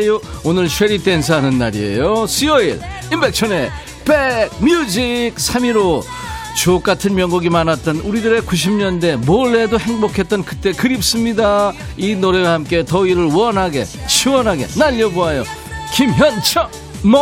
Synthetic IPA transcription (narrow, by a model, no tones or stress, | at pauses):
joonɯɭɕʰweɾit͈ens̬ʰaɦanɯnːaɾie̞̰josʰiʌḭɭ | imbe̞k̚t͡ɕʰʌne | peɡ̚mjud͡ʑik̚sʰamiɾo | t͡ɕok͈atʰɯnmjʌŋɡuɡimanat̚t͈ʌnuɾidɯɾe̞kuɕ̬ʰimɲʌnde̞mʌɭːe̞dohe̞ŋbokʰe̞t͈̚ʌnkɯt͈e̞kɯɾip̚s͈ɯmɲida | inoɾe̞wahamk͈e̞tʌiɾɯɭwʌnɦaɡe̞t͡ɕʰiwʌnɦaɡe̞̰naʎːʌboajo | kimɦjʌnt͡ɕʰʌ | m